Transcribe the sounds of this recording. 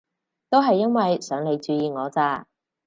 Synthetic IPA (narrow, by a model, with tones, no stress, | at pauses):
t̪o˥wɦɐ˨jːɐ˥nwɐ˨jsœː˨˥ŋle˨˧jt͡ʃyː˨˧jiː˨˧ŋɔː˨˧t͡saː˧